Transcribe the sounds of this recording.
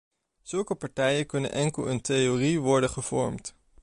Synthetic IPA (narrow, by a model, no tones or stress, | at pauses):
z̥ɵlˠkəpɑɹtɛjənkɵnə̰nʔɛŋkəlˠəntejoriʋɔɹdənχəv̥ɔ̰ɹmt